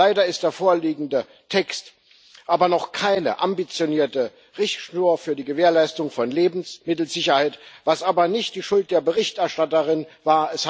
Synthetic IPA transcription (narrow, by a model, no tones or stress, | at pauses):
aɪdɐɪst̚d̥eːɐfoːɐliːɡŋ̩də | tʰɛkst | ʔaːbɐnɔχkʰaɪnə̰ʔambit͡sjoniːɐtə | ʁɪçtʃnuːɐfyːɐdiːɡəveːɐlaɪstʊŋfɔnleːbm̩smɪtl̩z̥ɪçɐhaɪtv̥asʔaːbɐnɪçt̚d̥iːʃʊlt̚d̥eːɐbəʁɪçtʔɛɐʃtatəʁɪnvaːɐɛsh